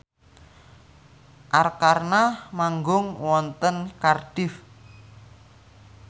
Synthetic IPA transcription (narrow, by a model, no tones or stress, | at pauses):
ʔarkarnamaŋɡʊŋwɔnt̪ənkarɖ̥ɪf